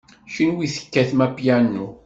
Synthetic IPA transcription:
ʃinwiθə̥kːæθmæpjænːu

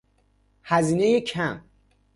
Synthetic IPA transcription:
hæziːnejecʰæm

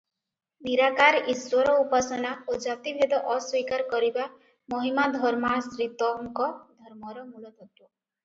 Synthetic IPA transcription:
b̪iɾakaɾiswɔɾɔupasɔnaod͡ʒat̪ib̪ʱed̪ɔʔɔswikaɾkɔɾiba | mɔɦimad̪ʱɔɾmasɾit̪ɔŋkɔd̪ʱɔɾmɔɾɔmulɔt̪ʰɔt̪u

